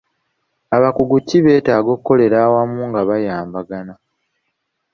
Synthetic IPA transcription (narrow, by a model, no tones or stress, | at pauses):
aβakuɡucːiβe̞ːtaːɡo̞kkːo̞le̞ɾaːwamuŋɡaβajaːmbaɡana